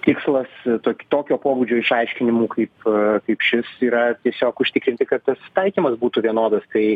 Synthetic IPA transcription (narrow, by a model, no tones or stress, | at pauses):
t̪ʲɪkslˠɐst̪oːkʲt̪oːkʲoːpoːbuːd͡ʒʲoːɪʃɐɪʃʲkʲɪnʲɪmuːkɐɪpkɐɪpʃʲɪsiːɾɐt̪ʲiɛsʲoːkʊʃʲt̪ʲɪkɾʲɪnʲt̪ʲɪkɐt̪t̪ɐst̪ɐɪkʲiːmɐsbuːt̪uʋʲiɛnoːd̪ɐst̪ɐɪ